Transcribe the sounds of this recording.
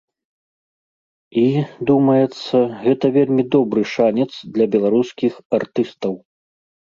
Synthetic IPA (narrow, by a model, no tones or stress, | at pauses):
id̪umɐjɛt̪sːɐɣɛt̪ɐvʲelʲmʲid̪ɔbɾɨʂanʲɛt̪sd̪lʲɐbʲɛlˠaɾuskʲixart̪ɨst̪ɐw